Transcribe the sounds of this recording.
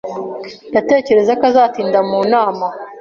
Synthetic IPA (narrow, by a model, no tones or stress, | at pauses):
nate̞ːce̞ɾe̞zakazaːtiːndamuːnaːma